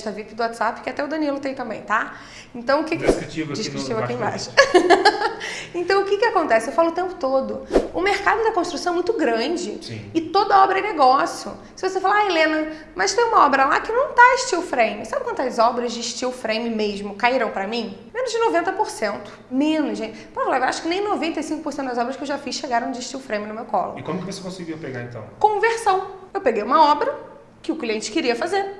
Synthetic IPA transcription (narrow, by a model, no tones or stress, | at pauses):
t̪avipɪd̪ʊwat͡ʃ̪ɪz̥apɪ̥kɪat̪ɛʊd̪ɐ̃niɛlʊt̪ẽj̃t̪ɐ̃mbḛ̃j̃t̪a | ẽnt̪ɐ̃w̃ʊkɪkivd͡ʒiʃkɾit͡ʃivɐakĩẽbajʃɐ | ẽnt̪ɐ̃w̃ʊkɪkɪakõnt̪ɛsɪewfalʊt̪ẽmpʊ̥t̪od̪ʊʊmeɾkad̪ʊd̪ɐkõʃt̪ɾusɐ̃w̃ɛ̃mũj̃t̪ʊɡɾɐ̃d͡ʒɪsɪt̪od̪ɐɔbɾɐneɡɔsijʊ̰ | sɪvosefalaelẽnɐ | mɐst̪ẽj̃ũmɐɔbɾɐla̰kɪnɐ̃w̃t̪aɪʃt͡ʃiwfɾẽj̃mɪsabɪkwɐ̃nt̪ʊɐzɔbɾɐzd͡ʒɪʃt͡ʃiwfɾẽj̃mɪmeʒmʊkaiɾɐ̃w̃pɾɐmĩmẽnʊzd͡ʒɪnovẽnt̪ɐpoɾsẽnt̪ʊ̥mẽnʊzʒẽt͡ʃɪpovlawaʃʊkɪnẽj̃novẽnt̪ejsĩŋkʊpoɾsẽt̪ʊd̪ɐzɔbɾɐskewʒafisʃeɡaɾɐ̃w̃d͡ʒɪʃt͡ʃiwfɾẽjmɪnʊmewkɔ̰lo̰ɪkõmʊkɪvose̥kõsɪɡiɐpeɡa̰ɾẽnt̪ɐ̰̃w̃kõveɾsɐ̃w̃ewpeɡejũmɐɔbɾɐ | kɪʊkliẽnt͡ʃɪ̥kɪɾiɐfazeɾ